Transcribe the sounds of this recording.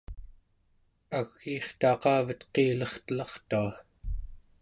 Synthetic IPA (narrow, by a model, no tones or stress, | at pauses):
aɣːiːχt̪ɑːqɑːvət̪qeːlʌχt̪əlɑχt̪ua